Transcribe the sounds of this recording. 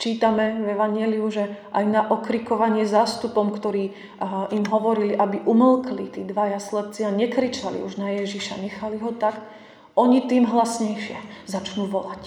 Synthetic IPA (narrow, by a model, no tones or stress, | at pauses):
t͡ʃiːt̪amɛvɛʋaɲɪɛliuʒɛʔajnaʔɔkɾikɔʋaɲɪɛzaːst̪upɔmkt̪ɔɾiː | imɦɔʋɔɾiliʔabiʔumlˠklit̪iːd̪ʋajaslɛp̚t͡sɪaɲɛkɾit͡ʃalḭuʒnajɛʒiʃa̰ɲɛxaliɦɔt̪ak | ɔɲit̪iːmɦlasɲɛjʃɪɛzat͡ʃnuːʋɔlac